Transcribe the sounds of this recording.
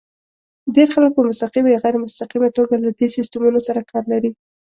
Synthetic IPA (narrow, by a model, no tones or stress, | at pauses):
deɾxalək̚pəmʊst̪aqimajaɣajɾamʊst̪aqimat̪oɡalad̪esɪst̪umunosaɾakʰɑɾlaɾi